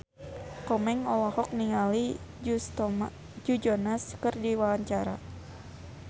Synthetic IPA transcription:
kɔmɛŋɔlɔhɔk̚niŋali | d͡ʒust̪ɔm | d͡ʒud͡ʒɔnaskərdiwawaɲt͡ʃaɾa

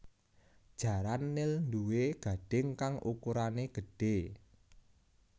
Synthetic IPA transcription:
d̥ʒ̥ä̤ɾanːɪlnd̪uweɡ̥a̤ɖ̥ɪŋkaŋʔukuɾaneɡ̥ə̤ɖ̥e̤

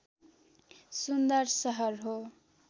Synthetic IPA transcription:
sund̪ʌrsʌɦʌrɦo

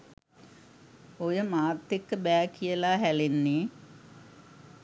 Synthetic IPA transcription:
ojəmaːt̪ːekːəbæːkʰijəlaːɦælenːe

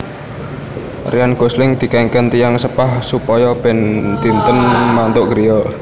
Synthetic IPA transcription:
rijanɡ̥o̤slɪŋd̪̥i̤kɛŋkənt̪ijaŋsəpahsupɔjɔb̥ɛnt̪int̪ənmant̪ʊʔɡ̥əɾijɔ

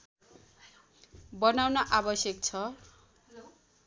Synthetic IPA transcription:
bʌnawnʌʔabʌsjʌk̚t͡sʰʌ

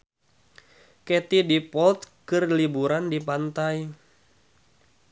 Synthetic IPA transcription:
kɛt̪idipɔlt̪̚kɨrlibuɾandipant̪aj

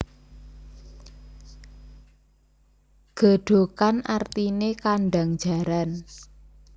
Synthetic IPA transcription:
ɡ̥a̤ɖ̥o̤kanart̪inekaɳɖaŋd̥d͡ʒ̥a̤ɾan

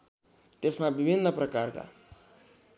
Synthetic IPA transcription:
t̪esmabibʱinːəprʌkarka̰

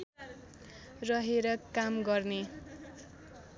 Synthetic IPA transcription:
rʌɦeɾʌkamɡʌrne

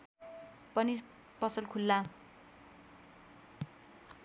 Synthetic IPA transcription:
pʌni | pʌsʌlkʰulːa

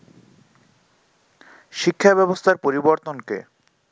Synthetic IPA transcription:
ʃikʰːabɛbost̪ʰaɾpoɾiboɾt̪onkḛ

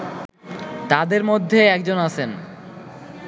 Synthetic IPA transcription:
t̪ad̪eɾmod̪ʱːeɛkd͡ʑonat͡ɕʰen

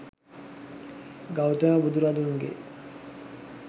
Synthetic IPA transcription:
ɡawt̪ənabud̪uɾad̪uŋɡḛ

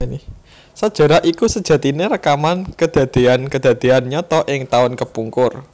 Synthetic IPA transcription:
n | sad̥ʒ̥a̤ɾaʔikusəd̥ʒ̥ä̤t̪ineɾəkamankəd̪̥ä̤d̪̥e̤ankəd̪̥a̤d̪̥e̤anɲɔt̪ɔʔɪŋt̪aʊnkəpuŋkʊr

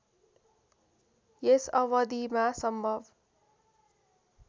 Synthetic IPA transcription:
jesʌwʌd̪imasʌmbʱʌb

